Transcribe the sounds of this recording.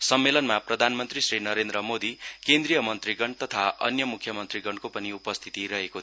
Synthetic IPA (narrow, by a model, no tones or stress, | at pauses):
sʌmːelʌnmaprʌd̪ʱanmʌnt̪risrinʌɾend̪rʌmod̪ikend̪rijʌmʌnt̪riɡʌɳt̪ʌt̪ʰaʔʌ̰njʌmukʰjʌmʌnt̪riɡʌɳkopʌniupʌst̪ʰi̥t̪iɾʌɦeko